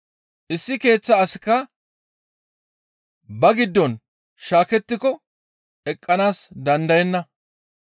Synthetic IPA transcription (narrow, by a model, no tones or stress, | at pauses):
ʔɪsːɪke̞ːt͡sːɐːsɪkːɐ | bɐɡɪd̪ːɔn | ʃaːkɛt̪ːɪkɔ | ɛkʼːɐnaːsd̪ɐnd̪ɐjɛnːɐ